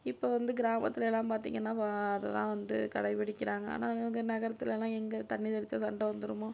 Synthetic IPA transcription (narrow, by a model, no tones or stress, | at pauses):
ɪpːoːʋɐnd̪ɯɡɪɾaːmɐt̪ːɪlɛlːãːpaːɾt̪ḭːŋɡɐnːaːpaɐðɐt̪ã̰ːʋɐnd̪ɯ̰kɐɽɐɪʋɪɽɪkːɪɾaːŋɡɐa̰ːnaːɛʋɐŋɡɐnɐɣɐɾɐt̪ːɪlɛlːãːɛŋɡɐt̪ɐɳːɪðɐɽɪt͡ʃːaːsɐɳɖɐʋɐnd̪ɯɾɯmoː